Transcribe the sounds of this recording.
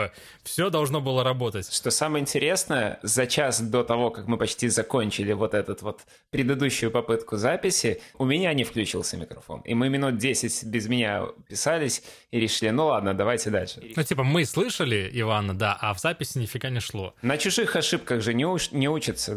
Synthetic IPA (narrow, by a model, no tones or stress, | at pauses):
fsʲod̪ɐlˠʐno̞bɨlˠəɾɐbo̞t̪ətʲʂt̪o̞saməjəɪnʲtʲɪɾʲe̞snəjə̰zɐt͡ɕasd̪o̞t̪ɐvo̞kakmɨpɐt͡ɕtʲizɐkonʲt͡ɕɪlʲɪvo̞t̪ɛt̪ʊt̪vo̞t̪ | pɾʲɪd̪ɨd̪uɕːʊjʊpɐpɨt̪kʊzapʲɪsʲɪʊmʲɪnʲanʲɪfklʲʉt͡ɕḭlˠsʲəmʲɪkɾɐfo̰nɪ̰mɨmʲɪnut̪̚dʲesʲɪtʲbʲɪzmʲɪnʲapʲɪsalʲɪsʲ | ɪɾʲɪʂɨlʲinulˠad̪̚nəd̪ɐvajtʲɪd̪a̰lʲʂɨnutʲipəmɨslˠɨʂəlʲɪɪvanːəd̪aʔɐvzapʲɪsʲɪnʲɪfʲɪɡanʲɪʂlˠo̞̰nət͡ɕʊʐɨxɐʂɨp̚kəɣʐɨnʲɪunʲɪut͡ɕɪt̪sə